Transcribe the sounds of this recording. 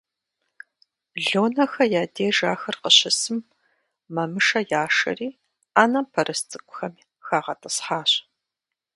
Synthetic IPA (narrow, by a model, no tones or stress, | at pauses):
ɮoːnɐxɐjaːdeːʒaːxɐrqəɕɪsɨmː | ɐmɨʂɐjaːʂɐ̰riː | aːnɐpʰɐɾʔɨst͡sʼɨkʷʼʊxɐmiː | xaːʁɐtʼɨsħaːɕ